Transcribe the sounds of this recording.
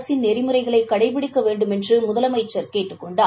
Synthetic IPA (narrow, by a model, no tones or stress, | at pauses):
sɪnːɛɾɪmɯɾɐɪɣɐɭɐɪkːɐɽɐɪpɪɽɪkːɐʋeːɳɖɯmɛndrɯmʊðɐlɐmɐɪt͡ʃːɐɾkeːʈːɯkːɔɳɖɐ